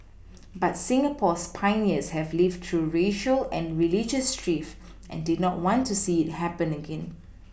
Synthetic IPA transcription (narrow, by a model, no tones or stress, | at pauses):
batsɪ̃ŋəpʰɔspʰãɪniəshɛvlivdtɹuɹeʃəlɛ̃nɹilid͡ʒəstɹif | ʔɛ̰̃ndɪdⁿnɔt̚wɔ̃ntʰːusiɪt̚hɛpə̃nəɡɛ̃n